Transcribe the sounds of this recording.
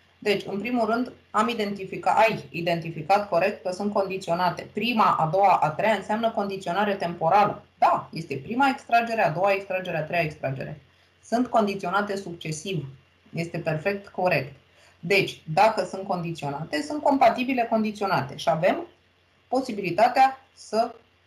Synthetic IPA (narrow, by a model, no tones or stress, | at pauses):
d̪e̞t͡ʃʲɨnpɾimulrɨnd̪ | amid̪e̞nt̪ifikaajid̪e̞nt̪ifikat̪ko̞ɾe̞k̚t̪̚kəsunt̪̚ko̞nd̪it̪sionat̪e̞pɾimaʔad̪o̞waʔat̪ɾejaɨnseamnəko̞nd̪it̪sio̞naɾe̞t̪e̞mpo̞ɾalə̰d̪aje̞st̪e̞pɾimaekst̪ɾad͡ʒe̞ɾead̪o̞waekst̪ɾad͡ʒe̞ɾeat̪ɾe̞jaekst̪ɾad͡ʒe̞̰ɾe̞̰ | sunt̪ko̞nd̪it̪sio̞nat̪e̞sukt͡ʃe̞siv | je̞st̪e̞pe̞rfe̞k̚t̪ko̞ɾe̞kt̪ | d̪e̞t͡ʃʲd̪akəsunt̪̚ko̞nd̪it̪sio̞nat̪e̞sunt̪̚ko̞mpat̪ibile̞ko̞nd̪it̪sio̞nat̪e̞ʃiave̞m | po̞sibilit̪at̪ea | sə